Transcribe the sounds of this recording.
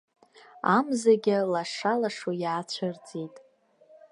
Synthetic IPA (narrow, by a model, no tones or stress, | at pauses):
amzaɡʲɪlaʂalaʂojaːt͡ɕʷʰɨrt͡sʼitʼ